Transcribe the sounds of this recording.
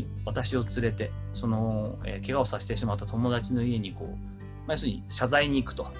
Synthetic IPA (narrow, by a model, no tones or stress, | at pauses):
βat̪aɕio̞t͡sɨɾe̞t̪e̞so̞no̞ḛke̞ɡaosaɕi̥t̪e̞ɕimat̪ːat̪o̞mo̞d̪at͡ɕino̞ie̞ɲ̟iko̞̰ː | majosɨɲ̟iɕazaiɲ̟iːkɯ̟̥t̪o̞